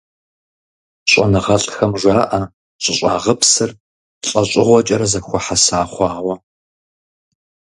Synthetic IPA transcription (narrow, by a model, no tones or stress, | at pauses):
ɕʼɐ̰nɨʁɐɬʼxɐmʒʷaːʔɐ | ɕʷʼɪɕʷʼa̰ːʁəpsɨr | ɬʼɐɕʼɪʁʷɔt͡ʃʼɐɾɐzɐxʷɔħasaːχʷɑːwɐ